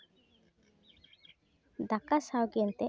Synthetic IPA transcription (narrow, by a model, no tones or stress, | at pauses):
d̪akasawɡiɔnt̪e